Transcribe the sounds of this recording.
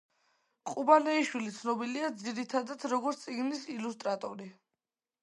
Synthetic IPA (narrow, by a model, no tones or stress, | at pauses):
qʼubalɛiʃwilit̪sʰnɔbiliad̪ziɾit̪ʰad̪ad̪ɾɔɡɔɾt̪sʼiɡnisilust̪ʼɾat̪ʼɔɾi